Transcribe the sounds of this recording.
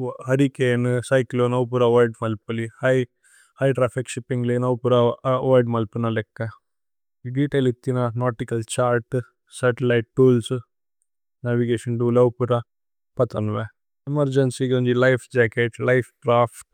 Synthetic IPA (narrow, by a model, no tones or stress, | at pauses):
ɦɐɾikeːnɨsɐjklonɐwp̬uɾɐʋaːjɖmɐlpulihɐj | hɐjʈɾaːpʰikʃipːiŋɡlinɐwpuɾɐʋajɖmɐlpunɐlɛkːɐ | iɖiːʈeːlit̪ːinanoːʈikɐlt͡ʃaːɾʈ | sɐɾʈilɐjʈ̚ʈuːls | naʋiɡeːʃɐnʈulɐwpuɾa | pɐt̪ɐnʋe | emɐɾd͡ʒɐnsiɡoɲd͡ʒilɐjpʰd͡ʒaːkeʈlɐjpʰʈɾaːpʈ